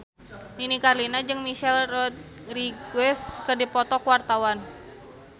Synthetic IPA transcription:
ninikarlinad͡ʒɨŋmiʃɛlrɔt̪̚ | riɡuɛskərdipɔt̪ɔkwart̪awan

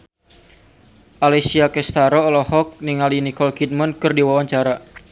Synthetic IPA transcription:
ʔalɛsiakɛst̪aɾɔlɔhɔk̚niŋalinikɔlkid̪̚mankɨrdiwawaɲt͡ʃaɾa

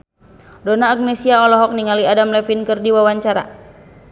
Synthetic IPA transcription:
donaːɡ̚nɛsiaɔlɔɦɔk̚niŋaliadamlɛfinkɨrdiwawaɲt͡ʃaɾa̰

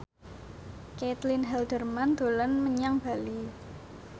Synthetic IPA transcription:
ket̪linɦɛld̪̥ə̤rmand̪̥o̤lənməɲaŋb̥a̤li

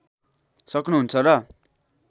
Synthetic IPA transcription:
sʌknuɦunt͡sʰʌrʌ

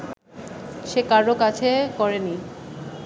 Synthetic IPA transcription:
ʃekaɾokat͡ɕʰekɔɾeni

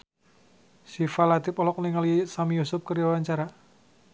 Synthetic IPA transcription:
sifalat̪ipɔlɔk̚niŋalisamijusʊp̚kəriawaɲt͡ʃaɾa

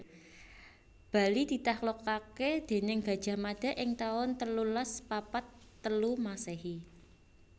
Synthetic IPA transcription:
b̥a̤lid̪̥i̤t̪ahlokaked̪̥e̤nɪŋɡa̤d̥ʒ̥a̤mad̥a̤ʔɪŋt̪aʊnt̪əlulaspapat̪ːəlumaseɦi

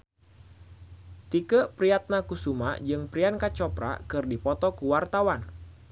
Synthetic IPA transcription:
t̪ikəpɾiat̪̚nakusuma̰d͡ʒɨŋpɾiankat͡ʃɔpɾa̰kɨrdipɔt̪ɔkuwart̪awan

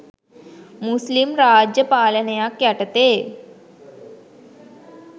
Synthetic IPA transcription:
muslimɾaːd͡ʒjəpaːlənəjakjaʈət̪e

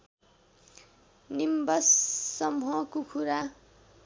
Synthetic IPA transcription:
nimbʌsːʌmɦʌkukʰuɾa

